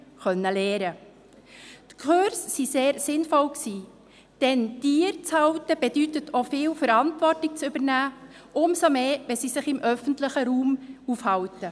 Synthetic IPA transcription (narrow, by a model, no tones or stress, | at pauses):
χœnːəleːɾə | tkʰøɾsːiseːɾsɪnfɔlksiː | d̥ɛnd̥iːɾt͡shɑwtəb̥ɛdytətʰofɪːwfəɾɑntvɔrtɪk̚t͡sʏbəɾnæː | ʔʊmsomeːʋɛsisɪχɪmʔœfəntlɪχəɾuːmufhɑwtə